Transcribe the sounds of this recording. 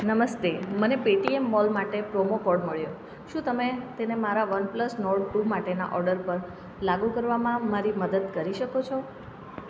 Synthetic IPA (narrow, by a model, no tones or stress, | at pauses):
nəməst̪emənepeʈiemːɔlmaʈepɾomokɔɾɖməɭjo | ʃũt̪əmet̪enemaɾaʋənpləsnoɽkumaʈena̰ʔɔɾɖəɾpəɾ | laɡukəɾʋamãmaɾiməd̪əd̪kəɾiʃəkot͡ʃʰɔ